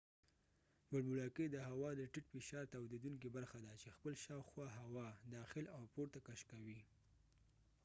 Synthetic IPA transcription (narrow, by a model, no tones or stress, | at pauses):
waɽbuɽɑked̪əɦawɑd̪əʈɪʈfɪʃɑɾt̪awd̪ed̪uŋk̬ibaɾxad̪at͡ʃexpəlʃɑwxwɑɦawɑd̪ɑxɪlawpoɾt̪akaʃkawi